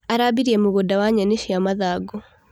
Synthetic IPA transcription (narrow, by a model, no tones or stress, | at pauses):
aɾabiɾiɛmoɣodawaɲɛneʃiamaðaːɡɔ